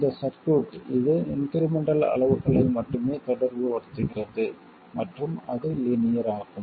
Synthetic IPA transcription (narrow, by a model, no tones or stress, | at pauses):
ɪnd̪ɐsɐɾkuːʈɪðɯɪnkɐɾɪmɛɳɖɐlɐ̰ɭɐʋɯɣɐɭɪlmɐʈːɯmeːt̪ɔɽɐɾʋɯʋɐɾɯt̪ːɯɣɪrɐðɯ | mɐʈrɯmɐðɯlinɪjɐɾaːɣɯm